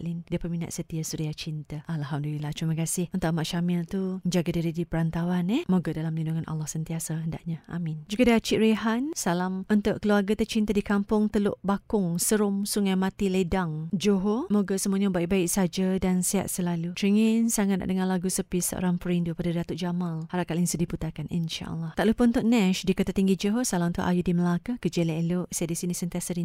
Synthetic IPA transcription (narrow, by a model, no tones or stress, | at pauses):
ʔlindiəpərmina̰ʔ̪sət̪iasudiat͡ʃint̪aalɦamdulilaht͡ʃumakasɪhənt̪uʔamaʔʃamɪlt̪uəd͡ʒaɡadiɾidipəɾant̪awanɛhmoɡadalamlinduŋanʔa̰lːɔhsənt̪iasaɦənda̰ʔɲaʔa̰mɪnd͡ʒuɡadaat͡ʃiʔɾiɦansalamʔənt̪ʊʔkəluarɡat̪ət͡ʃint̪adikampʊŋt̪əlo̰ʔʔbakʊŋsəɾʊmsuŋajmat̪iledaŋd͡ʒoɦomoɡasəmuaɲabaiʔ̚baiʔsad͡ʒadansia̰tʔ̪̚səlalut̪ɾiŋinsaŋat̪̚na̰ʔdəŋanlaɡusəpisə̰ʔo̰ɾaŋpəɾindupadadat̪uʔd͡ʒamalhaɾakalinsudiput̪akanʔḭnʃa̰ʔə̰lːaht̪aʔlupʊnt̪ʊʔnɛʃdikət̪at̪iŋɡid͡ʒoɦosalamnt̪oʔa̰judiməlakakəd͡ʒelaeloʔsajadisinisənt̪iasaɾi